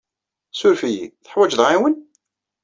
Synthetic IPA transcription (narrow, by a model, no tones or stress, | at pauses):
sʊɾfijḭθə̥ħwæd͡ʒðʁiwən